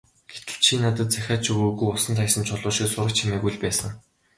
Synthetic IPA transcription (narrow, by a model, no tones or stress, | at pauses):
ɡ̥et̪ɘ̥̆t͡ɕʰiːnat̪ə̆t̪̚t͡sæxʲaːt͡ɕʰɵɣoːɣujʊsə̆nt̪ʰajsə̆nt͡ɕʰɔɮʊːʃiksʊɾə̆k̚t͡ɕʰimæːɣujɮpæːsə̆ŋ